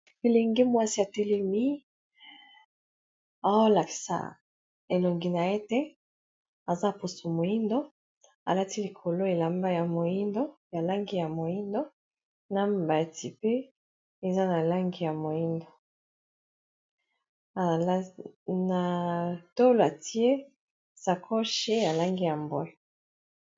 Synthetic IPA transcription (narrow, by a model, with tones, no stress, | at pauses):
e˨le˨ŋɡe˦mwa˦si˦a˨te˦le˦mi˦ | a˨˦la˨ki̥˨sa̰˨ | e˨lo˨ŋɡi˨na˨e˦te˦ | a˨za˦˨po˨so˨mo˨i˦ndo˦ | a̰˨la˦ti˦li˨kʰo˨lo˦e˨la˨mba˦ja˨mo˨ji˦ndo˦ja˨la˦ŋɡi˦ja˨mo˨ji˦ndo˦ | na˦mba˨ti˨pe˦ | e˨za˦na˨la˦ŋɡi˦ja˨mo˨ji˦ndo˨˦ | na˨to˦lo˨a˨ti˦e˦ | sa˨kʰo˦ʃe˦ja˨la˦ŋɡi˦ja˨mbwɛ˦